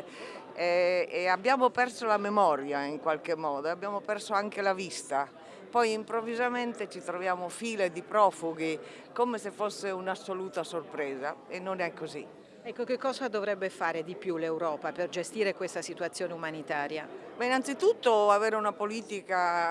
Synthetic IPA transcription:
ɛeabːjaːmopɛrsolamemɔɾjaiŋkwalkemːɔːd̪oabːjaːmopɛrsoaŋkelavist̪a | pɔjimpɾovːizament̪et͡ʃit̪ɾovjaːmofiːled̪ipɾɔːfuɡi | komesefːosːeunasːoluːt̪asorpɾɛːzaenːonɛkːozḭ | ɛkːokekːɔːzad̪ovɾɛbːefaːɾed̪ipjulewɾɔːpaperd͡ʒest̪iːɾekwest̪asit̪uat̪sːjoːneumanit̪aːɾjamainant̪sit̪ut̪ːoavɛːɾeunapoliːt̪ika

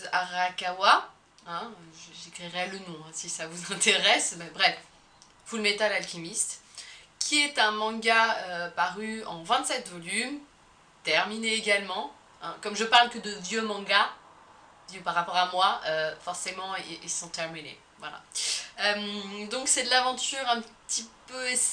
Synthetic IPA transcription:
aʁakawa | ɛ̃øʒəʒekχiʁɛlənɔ̃ɛ̃sisavuzɛ̃t̪eʁɛsbɛbʁɛf | fulmet̪alalkʲimist̪ | kʲʰiɛt̪ɛ̃mɑ̃ɡaøpaʁyɑ̃vɛ̃t̪sɛt̪vɔlym | t̪ɛʁmineːɡalmɑ̃ | ɛ̰̃kɔmʒəpaʁlkəd̪əvjømɑ̃ɡa | vjøpaʁːapɔʁamwaøfɔʁsemɑ̃eʔːsɑ̃t̪ɛʁminḛ | vwa̰la̰ømd̪ɔ̃ksɛd̪əlavɑ̃t̪yʁɛ̃pət̪ipøe

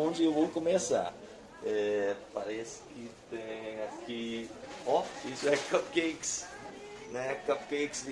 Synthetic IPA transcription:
õnzewvokomesa̰ | ɛpaɾɛsɪ̥kɪt̪ẽɲ̃akiɔisɛkɐp̚kejks | nɛkap̚kejksd̪

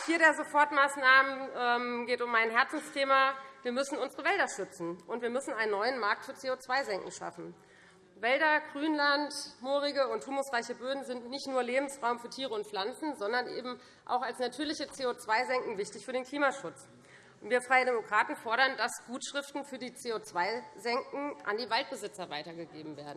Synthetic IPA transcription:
fiːɐdeːɐzofɔɐtmaːsnaːmənɛːmɡeːtʊmːaɪnɦɛɐt͡sn̩stʰeːmaviːɐmʏsn̩ʊnzəʁəvɛldɐʃʏt͡sn̩ʔʊntv̥iːɐmʏsn̩aɪnənːɔʏənmaɐk̚tfyːɐt͡seːot͡sv̥aɪzɛŋkŋ̩ʃa̰fn̩ | vɛldɐɡ̥ʁyːnlantmoːʁɪɡəʊnthuːmʊsʁaɪçəbøːdn̩zɪntnɪçtnuːɐleːbm̩sʁaʊmfyːɐtʰiːʁəʊntflant͡sn̩zɔndɐnʔḛːbm̩ | ʔa̰ʊxalsnatʰyːɐlɪçət͡seːot͡sv̥aɪzɛŋkŋ̩vɪçtɪçfyːɾeːnkʰl̥iːmaʃʊt͡s | nv̥iːɐfʁ̥aɪədɛmokʁ̥aːtn̩fɔɐɾɐnd̥asɡ̥uːtʃʁ̥ɪftn̩fyːɐdiːt͡seːot͡sv̥aɪzɛŋkŋ̩ʔa̰ndiːvalt̚b̥əzɪt͡sɐvaɪtɐɡəɡeːbm̩veːɐdn̩

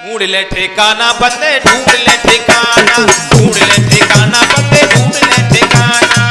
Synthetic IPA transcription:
ɡũːɽɪleːʈʰeːkaːnãːbənd̪eːɖʱũːɽɪleːʈʰeːkaːnãːũːɽleːʈʰeːkaːnãːbənd̪eːɖʱũːɽɪleːʈʰeːkaːnaː

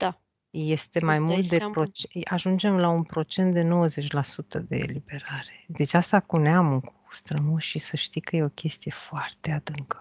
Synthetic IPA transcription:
d̪̥a | jest̪e̞majmult̪̚d̪epɾo̞t͡ʃaʒund͡ʒe̞mlaunpɾo̞t͡ʃe̞nt̪̚d̪eno̞wəze̞t͡ʃʲlasut̪əd̪e̞̰ːlibe̞ɾaɾe̞̥d̪e̞t͡ʃast̪akuneamɨŋku̥st̪ɾəmuʃisəʃt̪ikəje̞o̞kʲe̞st̪ije̞foart̪e̞ad̪ɨŋkə̥

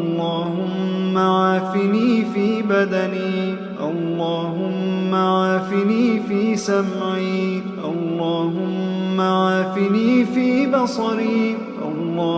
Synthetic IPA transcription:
lˤːɑːhʊmːaʕaːfɪniːfiːbad̪aniː | ʔɑlːɑːɦʊmːaaːfɪniːfiːsamʕiː | ʔɑlːɑːɦʊmːaʕaːfɪniːfiːbɑsˤɑɾiː | ʔɑ̰lːɑː

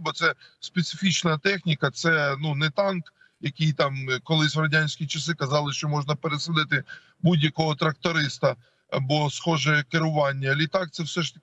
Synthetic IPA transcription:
bɔt̪sɛspet̪sɪfʲit͡ʃnɐt̪ɛxnʲikɐt̪sɛnunɛt̪ɑnk | jɐkɪjt̪ɑmkɔlˠɪsʲɾɐdʲanʲsʲkʲit͡ʃɐsɪkɐzɑlˠɪʃt͡ʃɔmɔʒnɐpeɾesɪlˠɪt̪ɪ | budʲjɐkɔɦɔt̪ɾɐk̚t̪ɔɾɪst̪ɐ | ɐ̰bɔsxɔʒɛkɪɾʊʋɑnʲːɐɐlʲit̪ɑk̚t̪sɛwsɛʃt̪ɐk

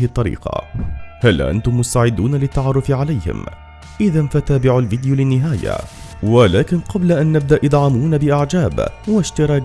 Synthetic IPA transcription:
t̪ˤːɑɾḭːqɑ̰halːʔa̰nt̪ʊmːʊst̪aʕɪd̪ːuːnalɪt̪ːaʕɑːrˤːʊfɪʕalajhɪ̰m | ʔɪðanfat̪aːbɪʕʊlvɪd̪ɪjulɪnːɪɦaːja̰walaːkɪnqɑblaʔanːab̚d̪aʔɨd̪ˤʕɑmuːnabɪʔaʕd͡ʒaːbwaʃt̪ɪɾˤɑː

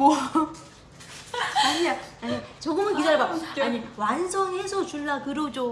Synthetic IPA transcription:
ʌ | aɲiaaɲit͡ɕoɡɯmɯnkisaɭbaaɲiwansʰʌŋɦe̞sʰʌt͡ɕuɭːakɯɾod͡ʑo

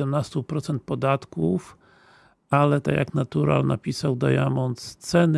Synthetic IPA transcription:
ɛmnast̪upɾɔt̪sɛnt̪̚pɔd̪at̪kuf | alɛt̪a̰kʲja̰knat̪uɾa̰lnʔapʲisawd̪ajamɔnt̪st̪sɛn

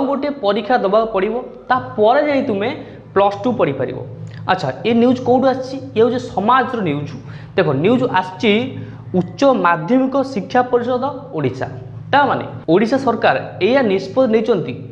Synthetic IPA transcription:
ɔŋɡoʈepɔɾikʰːjad̪ɔbabpɔɽibɔt̪apɔɾed͡ʒaɽ̃ĩt̪ume | plɔsʈupɔɽipaɾḭbɔ̰a̰tːʃʰa̰eniud͡ʒkowʈuast͡ʃʰiew̃d͡ʒesɔmad͡ʒɾɔniud͡ʒu̥ | d̪̥ekʰɔniwd͡ʒʔast͡ʃʰi | uːʃɔmad̪ʱjɔmikɔsikʰːjapɔɾisɔd̪ʱɔoɽisa̰ | t̪amanḛ | oɽisasɔɾkaɾejanispɔd̪nejt͡ʃʰɔnt̪i

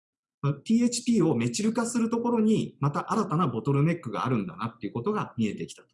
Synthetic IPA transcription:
mat̪ʲiːe̞t͡ɕi̥pʲiːo̞me̞t͡ɕiɾɯ̟kasɨɾɯ̟t̪o̞ko̞ɾo̞ɲ̟imat̪aʔaɾat̪anabo̞t̪o̞ɾɯ̟me̞kːɯ̟ɡa̰ːɾɯ̟̃nd̪a̰nat̪ːe̞iɯ̟ko̞t̪o̞ɡamʲie̞t̪e̞kʲi̥t̪ḁt̪o

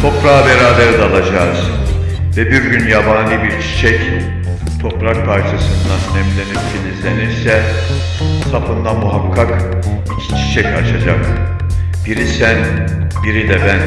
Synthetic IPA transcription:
t̪ʰo̞pɾaːbeɾaːbeɾid̪ɛːlˠad͡ʒaz̥ | vɛbiɾɟynjabaːnlʲˠɯbiɾt͡ʃʰi̥t͡ʃʰɛc | t̪ʰo̞pɾak̚pʰaɾt͡ʃʰasɯnd̪anɛmlʲenipcʰilʲizeniɾsɛ | t̪ʰapɯnd̪amuɦakʰːak | t͡ʃʰi̥t͡ʃʰɛcʰaɾʃad͡ʒak̪ | biɾisæn | biɾid̪ɛbæn

